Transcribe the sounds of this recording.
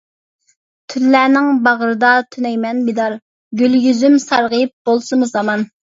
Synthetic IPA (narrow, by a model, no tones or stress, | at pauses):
t̪ʰylːæːnɪŋbɑʁɾɨd̪ɑt̪ʰynɛjmɛnbid̪ɑɾ | ɡʲylɡʲyzymsɑɾʁəjɨp̚bolˠsɨmuzɑmɑn